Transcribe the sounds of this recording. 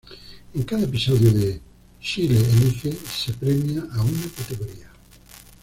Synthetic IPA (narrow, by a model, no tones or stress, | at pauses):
ẽŋkaðaep̬isɔðjoðe | ʃileelixesepɾemjaʔaunakat̪eɣoɾia